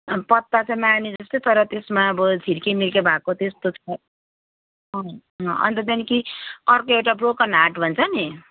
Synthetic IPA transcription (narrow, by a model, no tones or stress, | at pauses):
pʌt̪ːat͡sãĩmanid͡zʌst̪ot̪ʌɾʌt̪esmaʌbʌd͡zʱiɾkemilkebʱakot̪est̪ot͡sʰʌ | ɦʌ | ɦʌ̃ʌ̰nt̪ʌd̪ankiʌrkoewʈabrokʌnɦaʈbʱʌnt͡sʰʌni